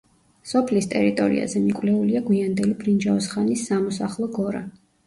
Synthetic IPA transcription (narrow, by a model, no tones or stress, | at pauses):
sɔpʰlist̪ʼɛɾit̪ʼɔɾḭa̰zɛmikʼvlɛuliaɡwiand̪ɛlibɾind͡ʒaɔsχanisːamɔsaχlˠɔɡɔɾa̰